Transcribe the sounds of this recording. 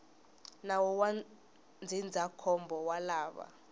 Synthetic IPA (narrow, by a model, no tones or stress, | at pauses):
nawɔwa | nd͡zʱind͡zʱakʰɔmbʱɔwalaːɓa̰